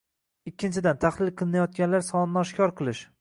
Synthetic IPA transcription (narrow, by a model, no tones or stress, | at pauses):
ɪkʲʰːɪnt͡ʃʰɪd̪ant̪ʰaχlˠɪlˠqʰɨlˠɪnajɒt̪̚ɡʲanlaɾsɒnɪnɪɒʃkʲɒɾqʰɨlˠɪʃ